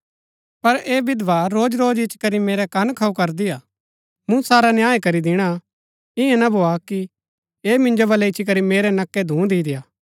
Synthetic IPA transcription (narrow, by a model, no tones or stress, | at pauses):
pɐɾeːbɪd̪ʋaɾoːd͡ʒɾoːd͡ʒɪt͡ʃʰkɐɾimeːɾɛkɐnkʰɐukɐɾd̪ɪaː | mũsaːɾanjaːekɐɾid̪ɪɽ̃a | ɪɛ̃nɐbʱoːaki | eːmɪ̃nd͡ʒobɐlɛɪt͡ʃʰik̬ɐɾimeːɾɛnɐkːɛd̪ʱũːd̪iːd̪ɪjaː